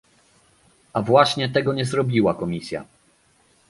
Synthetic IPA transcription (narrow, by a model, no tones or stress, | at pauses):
avwaɕɲɛt̪ɛɡɔɲɛzɾɔbʲiwakɔmʲisʲja̰